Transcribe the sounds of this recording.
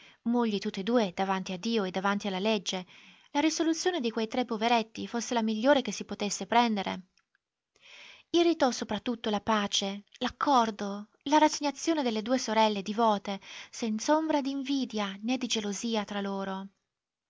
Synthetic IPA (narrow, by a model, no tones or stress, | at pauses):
muʎːit̪ut̪ːed̪uːed̪̥avant̪iad̪ːiːoed̪avant̪ialːaled͡ʒːe | laɾisolut̪sːjoːned̪ikwejt̪ɾepːoveɾet̪ːifosːelamiʎːoːɾek̟esːipot̪esːepɾɛnd̪eɾḛ | irit̪ɔsopɾat̪ːut̪ːolapaːt͡ʃelakʰːɔrd̪o | laɾaseɲːat̪sːjoːned̪elːed̪uːesoɾɛlːed̪ivɔːt̪esɛnt̪sombɾad̪iːɱviːd̪janed̪ːid͡ʒeloziːat̪ɾaloːɾo